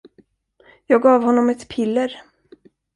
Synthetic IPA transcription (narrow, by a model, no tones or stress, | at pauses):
jɑːɡɑːvhɔnːɔmɛt̪pʰɪlːəɾ